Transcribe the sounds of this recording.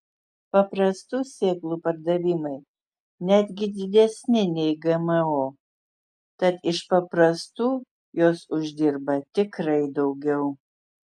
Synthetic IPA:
pɐpɾɐst̪uːsʲeːklˠuːpɐɾd̪ɐʋʲɪmɐɪ | nʲæd̪ʲɡʲɪd̪ʲɪd̪ʲɛsʲnʲɪnʲɛɪɡɛmɐoː | t̪ɐt̪ɪʃpɐpɾɐst̪uː | joːsʊʒʲd̪ʲɪɾbɐt̪ʲɪkɾɐɪd̪ɒʊɡʲɛʊ

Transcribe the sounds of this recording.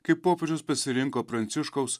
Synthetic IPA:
kɐɪpːoːpʲed͡ʒʲʊspɐsʲɪɾʲɪŋkoːpɾɐnʲt̪sʲʊʃkɐʊs

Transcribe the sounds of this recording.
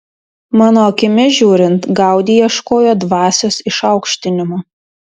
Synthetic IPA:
mɑːnoːɐkʲɪmʲɪʒʲuːɾʲɪnt̪ɡɑˑʊd̪ʲijiɛʃkoːjoːd̪ʋɑːsʲosɪʃɑʊkʃʲt̪ʲɪnʲɪmoː

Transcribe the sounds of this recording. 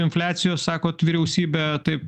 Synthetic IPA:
ɪnfʲlʲæːt̪sʲɪjoːssɑːkoːt̪ʋʲiːɾʲɛʊsʲiːbʲɛt̪ɐɪp

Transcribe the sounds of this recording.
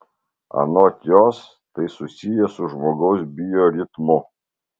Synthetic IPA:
ɐ̰noːt̪ʲjoːs | t̪ɐɪsʊsʲijɛsʊʒmoːɡɐʊsbʲɪjoːɾʲɪt̪mʊ

